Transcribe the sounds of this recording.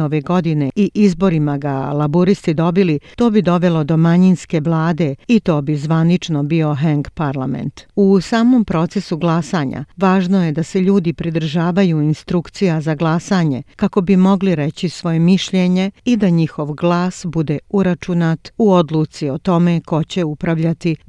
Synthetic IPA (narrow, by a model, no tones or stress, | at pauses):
oʋe̞ɡo̞d̪ine̞ʔiʔizbo̞ɾimaɡa̰lˠabuɾist̪id̪o̞bilit̪oːbid̪o̞ʋe̞lo̞d̪o̞maɲinske̞ʋlˠaːd̪e̞it̪o̞ːbizʋanit͡ʃno̞bio̞ɦeŋɡpaɾlˠamḛnt̪usaːmo̞mpɾo̞t̪se̞suɡlˠasaːɲa̰ʋaːʒno̞jed̪ase̞ʎuːd̪ipɾid̪ɾ̩ʒaːʋajuinst̪ɾukt̪sijazaɡlˠasaɲe̞kako̞bimo̞ɡliɾe̞t͡ɕisʋo̞jemiʃʎeɲeid̪aɲixo̞ʋɡlˠaːsbud̪euɾat͡ʃunat̪uo̞d̪lˠuːt̪sio̞t̪o̞me̞ko̞t͡ɕe̞upɾaʋʎat̪i